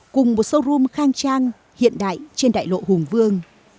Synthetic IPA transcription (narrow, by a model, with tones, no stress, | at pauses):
kʊ˨˩ŋ͡mmo˨˩t̚sə˧wzu˧mxaː˧ŋt͡ɕaː˧ŋ | hḭ˧˨ənɗa̰ː˧˨jt͡ɕe˧nɗa̰ː˧˨jlo̰˧˨hʊ˨˩ŋ͡mvɨ˧əŋ